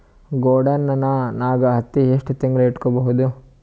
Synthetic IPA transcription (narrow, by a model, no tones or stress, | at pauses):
ɡoːɖɐnːɐnːɐnaːɡɐɦɐt̪ːieʂʈut̪iŋɡɐluiʈkɔbɐɦud̪u